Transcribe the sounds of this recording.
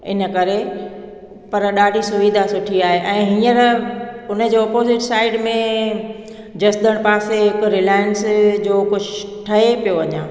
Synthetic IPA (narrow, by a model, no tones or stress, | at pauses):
ɪ̰nə̆kɐɾe | pɐɾɗaːɖʱisʊʋid̪ʱasʊʈʰiaːɦeʔɛ̃ːɦĩːəɾʊnəd͡ʑoːɔːpoːzɪʈsaːɪɖmẽ | d͡ʑɐsd̪əɽ̃paːseɦɪkʊɾɪlaːjənsd͡ʑoːkʊʃʰɪʃʈʰɐɦepijoʋɐɲãː